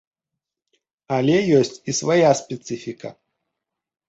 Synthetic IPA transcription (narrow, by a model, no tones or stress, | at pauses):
alʲɛjɔsʲt͡sʲisvajaspʲɛt̪sɨfʲikɐ̰